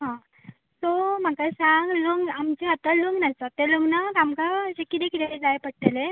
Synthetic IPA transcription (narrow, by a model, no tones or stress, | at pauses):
ɦã | som̤akasãŋɡluŋɡamt͡ɕeat̪aluŋɡnat̪at̪eluŋɡnak̪amkad͡ʑekit̪ẽkit̪ed͡zajpəɽʈ̪ele